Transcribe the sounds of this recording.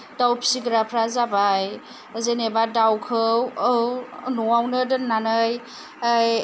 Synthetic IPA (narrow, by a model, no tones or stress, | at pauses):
dawpʰi̥siɡɾapʰɾazabaj | zenebadawkʰɯwɯnɔwawnɯdɯnːanɯj | aj